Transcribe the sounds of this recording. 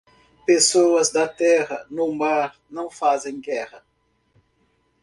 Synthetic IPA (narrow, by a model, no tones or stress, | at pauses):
pesowɐzd̪ɐt̪ɛʁɐnʊmaɾnɐ̃w̃fazẽj̃ɡɛʁɐ